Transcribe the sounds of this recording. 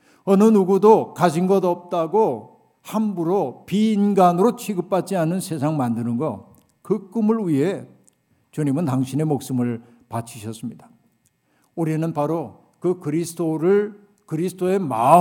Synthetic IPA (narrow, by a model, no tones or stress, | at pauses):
ʌnɯnuɡudokad͡ʑinɡʌdʌp̚t͈aɡo | hambuɾopiːnɡanɯɾot͡ɕʰiɡɯp̚p͈at̚t͡ɕ͈ianɯnsʰe̞sʰaŋmandɯnɯnɡʌ | kɯk͈ɯmɯɭwiɦe | t͡ɕuɲimɯntaŋɕʰine̞mok̚s͈ɯmɯɭ | pat͡ɕʰiɕʰʌs͈ɯmɲida | uɾinɯnpaɾo | kɯkɯɾisʰtoɾɯ | kɯɾisʰɯ̥tʰoe̞ma